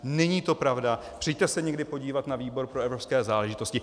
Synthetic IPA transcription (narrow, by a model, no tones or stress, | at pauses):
nɛɲiːt̪o̞pɾavda | pr̥ɛjt̪ɛsɛɲɛɡdɪpo̞ɟiːvat̪naviːbo̞ɾpɾoɛvɾo̞pskɛːzaːlɛʒɪt̪o̞scɪ